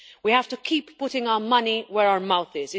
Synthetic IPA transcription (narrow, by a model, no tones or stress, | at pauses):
wihæftəkʰiːpːʊtɪ̃ŋaʊəmʌniwəɹaʊəmaʊθɪzɪ